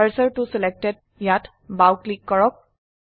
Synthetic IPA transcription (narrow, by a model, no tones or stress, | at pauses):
əɹsəɹtusɛlɛk̚tɛd̚ | jat | bawklikːɔɹɔk̚